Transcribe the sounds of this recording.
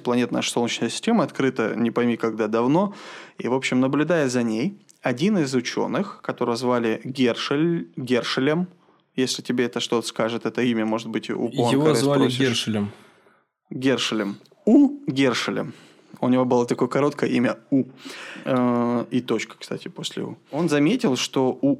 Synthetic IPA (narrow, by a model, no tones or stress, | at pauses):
plˠɐnʲe̞t̪na̰ʂsolnət͡ɕnəjəsʲɪ̥sʲtʲemɨɐt̪kɾɨt̪ənʲɪpɐjmʲikɐɡd̪ad̪ɐvno̞ḭvo̞pɕːɪmnəblʲʊd̪ajəzɐnʲej | ɐdʲinɪzʊt͡ɕo̞̰nːɨxkɐt̪o̞ɾəjzvalʲɪɡʲerʂlʲɡʲe̞rʂɨlʲɪm | jesʲlʲɪtʲɪbʲeɛt̪əʂt̪o̞t̪ə̥skaʐɨt̪ɛt̪əimʲəmo̞ʐɨt̪̚bɨtʲṵponɪvsvalɪeʂɨlʲəm | ɡʲerʂɨlʲəm | uɡʲerʂɨlʲə̰m | ʊnʲɪvo̞bɨlˠat̪ɐko̞jəkɐɾo̞t̪kəjəimʲəu | it̪o̞t͡ɕkə̥kst̪atʲɪposʲlʲɪ̰ṵo̞nzɐmʲetʲɪlˠʂt̪o̞u